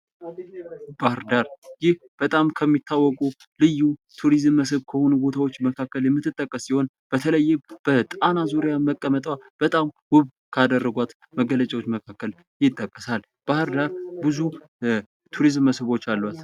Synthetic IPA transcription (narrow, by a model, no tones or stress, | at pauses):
b̥ahɨɾd̪aɾjɪh | b̥ət̪ʼamkʰəmːit̪ʰːawːɔkʼu | lɨjːut̪ʰuɾizɨmːəs̬ɨβkʰəho̞nubo̞t̪ʰawot͡ʃːməkʰakːəljɛmːɨt̪ʰːɨt̪ʼːəkʼːəsːiho̞n | b̥ət̪ʰələjːɛb̥ət̪ʼanazuɾijaməkʼːəmət̪ʼwab̥ət̪ʼamwʊβ | kʰad̪ərːəɡʷat̪ | məɡələt͡ʃʼawo̞t͡ʃːməkʰakːəl | jɪt̪ʼːəkʼːəsal | b̥ahɨɾd̪aɾbɨzu | t̪ʰuɾizmːəsɨβo̞t͡ʃːalːwat̪